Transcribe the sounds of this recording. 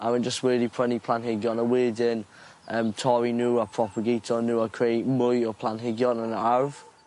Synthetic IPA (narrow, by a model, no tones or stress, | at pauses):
aɪwə̃nd͡ʒəstwəːdipʰɹ̥ənipʰl̥ãnɦɪɡjɔnəweːdɪn | əːmtʰɔɹinuːəpʰɹ̥ɔpʰəɡitʰonuːakʰɹemʊjəpʰl̥anɦɪɡjɔnə̃naɹv̥